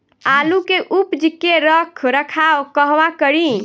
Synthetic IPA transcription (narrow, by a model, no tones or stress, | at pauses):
alukeʔupd͡ʒikeɾəkʰɾəkʰaokəɦʋakəɾi